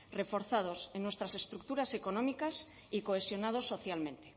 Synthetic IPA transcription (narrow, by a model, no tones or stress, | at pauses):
re̞fo̞ɾθað̞osenːwest̪ɾase̞st̪ɾuk̚t̪uɾase̞konõmikas | ikoesjo̞nað̞osːo̞θjalmẽnt̪e̥